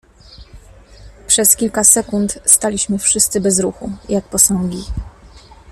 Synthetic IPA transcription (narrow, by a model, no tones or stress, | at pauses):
pʂɛskʲilkasɛkunt̪st̪alʲiɕmɘfʂɘst̪sɘbɛzɾuxujak̚pɔsɔŋɡʲi